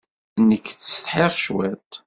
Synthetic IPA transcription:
nəkːθsə̥θħeʁʃwæ̰t̪

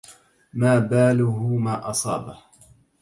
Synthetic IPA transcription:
maːbaːlʊhʊmaːʔɑsˤɑ̰ːbah

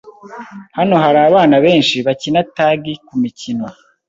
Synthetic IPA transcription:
hano̞ɦaɾaːβaːnaβe̞ːnʃiβacinataːɡikumicinwa

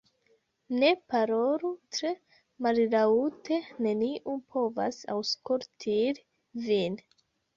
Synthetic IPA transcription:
ne̞paɾoɾutɾe | mallautene̞niʔupʰo̞va̰sa̰wskoɾtʰiɾ | vin

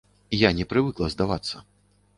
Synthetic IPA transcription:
janʲɛpɾɨvɨklˠɐzd̪avat̪sːɐ

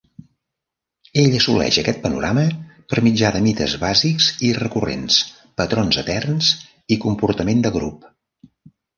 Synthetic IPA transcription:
eʎəsulɛ̰ʒəkɛt̪̚pənṵɾaməpəɾmid͡ʒaðəmit̪ə̰zβaziksirəkurḛns | pət̪ɾonzət̪ɛrns | ikumpuɾt̪əmend̪əɣɾṵp

